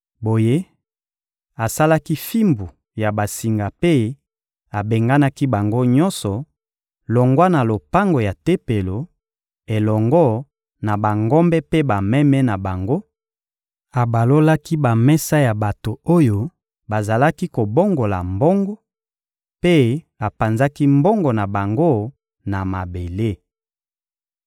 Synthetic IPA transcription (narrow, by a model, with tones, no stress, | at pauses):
bo˨je˦ | a˨sa˦la˦ki˦fi˦mbu˨ | ja˨ba˨si˨ŋɡa˨pe˦ | a˨be˨ŋɡa˦na˦ki˦ba˨ŋɡo˦ɲɔ˦nsɔ˨ | lɔ˨ŋɡwa˦na˨lo˨pa˦ŋɡo˨ja˨te˦pe˨lo˨ | e˨lɔ˨ŋɡɔ˦ | na˨ba˨ŋɡɔ˦mbɛ˦pe˦ba˨mɛ˦mɛ˦na˨ba˨ŋɡo˦ | a˨ba˨lo˦la˦ki˦ba˨mɛ˦sa˦ja˨ba˨to˨o˦jo˦ | ba˨za˨la˦ki˦ko˨bo˦ŋɡo˨la˨mbɔ˦ŋɡɔ˦ | pe˦ | a˨pa˨nza˦ki˦mbɔ˦ŋɡɔ˨na˨ba˨ŋɡo˦ | na˨ma˨be˨le˦